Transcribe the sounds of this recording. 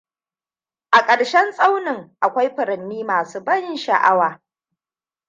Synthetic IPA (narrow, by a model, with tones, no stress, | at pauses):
ʔa˨kʼɐ˨ɽʃɛ˦nsʼa˦wnɪ˨ŋʔa˨kʷa˦jɸɪ˨ɾɐ˨nːiː˦maː˨suː˦bɐ˦nʃɐ̰˨ʔa˦waː˨